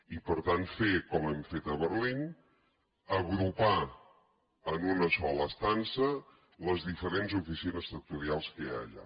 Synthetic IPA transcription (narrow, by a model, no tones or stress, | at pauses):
ipəɾt̪anfekɔmɛmfet̪əβəɾlin | əɣɾupa | ənunəsɔləːst̪ansə | ləzðifəɾenzufisinəst̪ək̚t̪uɾialˠskəja̰ʎa̰